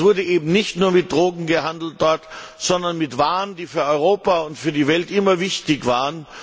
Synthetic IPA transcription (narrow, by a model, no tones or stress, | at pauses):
v̥ʊɐdəʔeːbm̩nɪçtnuːɐmɪt̚d̥ʁoːɡŋ̩ɡəhandl̩t̚d̥ɔɐtz̥ɔndɐnmɪtv̥aːəndiːfyːɐɔʏʁ̞oːpaʊntfyːɐdiːvɛltʔɪmɐvɪçtɪçv̥aːʁən